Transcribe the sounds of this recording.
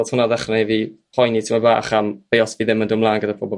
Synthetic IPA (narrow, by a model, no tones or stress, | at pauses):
thʊnaðɛχrɛviːpʰɔjnitʰimaba̰ːχamb̥ejɔsviːðɪməndumlˠaːnɡədapʰɔbɔ